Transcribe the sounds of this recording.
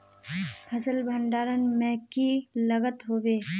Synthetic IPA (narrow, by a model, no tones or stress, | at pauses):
pʰəsəlbʱə̃ɳɖaːɾənmɛ̃ːkiləɡət̪ɦoːbeː